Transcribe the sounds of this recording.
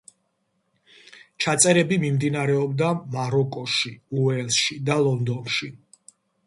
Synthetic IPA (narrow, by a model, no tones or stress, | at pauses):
t͡ʃʰat̪sʼɛɾɛbimimd̪inaɾɛɔbd̪amaɾɔkʼɔʃiuɛlʃid̪alˠɔnd̪ɔnʃi